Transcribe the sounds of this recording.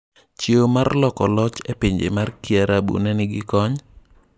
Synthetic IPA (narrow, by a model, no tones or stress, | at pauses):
t͡ʃeomarlɔkɔlɔt͡ʃepeɲd͡ʒḛmarkiaɾabṵnɛnɪɡɪkɔɲ